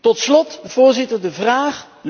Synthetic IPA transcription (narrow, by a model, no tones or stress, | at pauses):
tɔtslɔtv̥ʊːɹzɪtəɹdəvraːχ | l